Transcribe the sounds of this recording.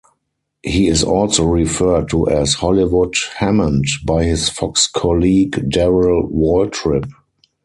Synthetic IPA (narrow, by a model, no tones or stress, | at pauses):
hiːɪzɔlsoʊɹifɜ˞d̚tʰuʔɛshɔliwʊdhɛmə̃ndbaɪhɪsfɔkskʰɔliːɡdɛɹəlwɔltʰɹɪp̚